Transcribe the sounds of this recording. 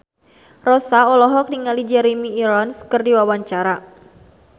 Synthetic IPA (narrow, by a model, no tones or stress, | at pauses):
rɔsaɔlɔɦɔk̚niŋalid͡ʒɛɾimiːɾɔnskɨrdiwawaɲt͡ʃaɾa